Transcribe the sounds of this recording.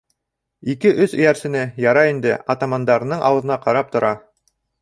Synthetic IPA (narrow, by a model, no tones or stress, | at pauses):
ikɘʔɵθɵ̆jæɾsɘ̆nɘjɑɾɑind̪ɘɑt̪ɑmɑnd̪ɑɾɤnɤɴʔɑ̰wɤ̆ðɤ̆nɑqɑɾɑp̚t̪ŏɾɑ